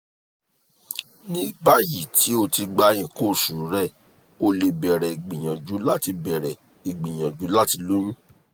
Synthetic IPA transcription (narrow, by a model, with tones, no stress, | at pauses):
nĩ˦ba˦ji˦˨tʰi˨˦o˧ti˧ɡ͡ba˧j̃ĩ˨ko˦˨ʃũ˨ɾũ˨˦ɾɛ˦˨ | o˧le˧bɛ˨ɾɛ˨i˨ɡ͡bĩ˨j̃ã˨d͡ʒu˨˦la˦ti˧bɛ˨ɾɛ˨ | i˨ɡ͡bĩ˨j̃ã˨d͡ʒu˨˦la˦ti˧lu˦ñũ˦